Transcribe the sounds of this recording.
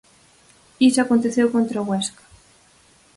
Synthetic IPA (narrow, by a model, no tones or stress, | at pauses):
isakont̪eθjewkont̪ɾaɣwɛskḁ